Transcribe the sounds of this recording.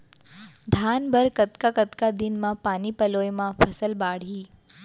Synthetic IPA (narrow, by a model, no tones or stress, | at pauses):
d̪ʱaːnbʱəɾkət̪kakət̪kad̪ɪnmãpaːnipɐloːjmãpʰɐsəlbaːɽ̤iː